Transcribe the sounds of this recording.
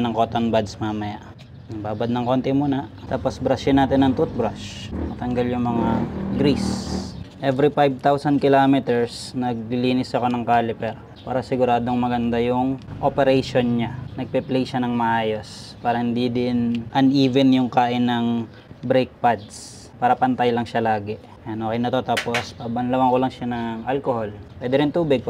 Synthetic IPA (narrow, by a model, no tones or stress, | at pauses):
nɐŋkoːt̪onbad̪smaːmɐjaʔ | nɐŋbaːbɐd̪nɐŋkont̪ɛmuːnɐt̪aːpo̞sbɾaʃɪnaːt̪ɪnːɐŋt̪ut̪̚bɾaʃmɐt̪ɐŋɡaljʊŋmɐŋaɡɾis | ʔɛvɾipajb̚t̪awsɐnd̪̚kɪloːmɛt̪ɛɹsnɐɡ̚liːnɪsɐko̞nɐŋkaːlɪpɛɾ | pa̰ːɾɐsɪɡʊɾaːd̪oŋmɐɡɐnd̪ajʊŋʔopɛɾɛjʃonɲanɐɡ̚pɛplɛjʃanɐŋmɐʔaːjo̞s | paːɾɐhɪnd̪id̪ɪnʔɐnʔiːvɛnjʊŋkaːʔɪnɐŋ | bɾɛjk̚pad̪s | paːɾɐpɐnt̪ajlɐŋʃalaːɡɛ | ɐnokɛjnɐt̪ɐt̪oːpospabɐnlɐwɐŋkolɐŋʃanɐŋʔalkoholwɛːd̪ɛɾɪnt̪uːbɪɡ̚